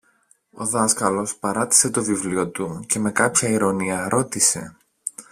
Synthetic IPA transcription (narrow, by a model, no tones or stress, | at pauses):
o̞̰ðɐskɐlo̞spɐɾɐt̪i̥se̞t̪o̞vivlio̞t̪uce̞me̞kɐpçɐiɾo̞niɐɾo̞t̪ise̞̰